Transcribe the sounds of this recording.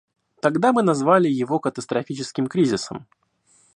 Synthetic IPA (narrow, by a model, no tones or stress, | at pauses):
t̪ɐɡd̪amɨnɐzvalʲɪjɪvo̞kət̪əst̪ɾɐfʲit͡ɕɪskʲɪmkɾʲizʲɪsə̰m